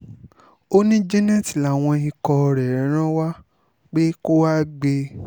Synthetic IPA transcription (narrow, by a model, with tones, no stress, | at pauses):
o˦nĩ˦d͡ʒi˦nɛ̃˦˨ti˨la˨w̃ɔ̃˧i˧kɔ˧ɾɛ˨ɾɛ˨˦ɾ̃ã˦wa˦ | k͡pe˦ko˦wa˦ɡ͡be˧